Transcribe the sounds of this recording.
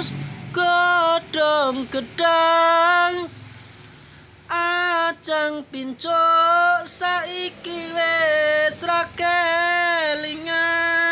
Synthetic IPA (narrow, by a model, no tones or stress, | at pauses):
sɡ̥ɔɖ̥ɔŋɡ̥əɖ̥a | ŋ | ʔḁt͡ʃaŋpint͡ʃoʔsaikiwesɾake | liŋa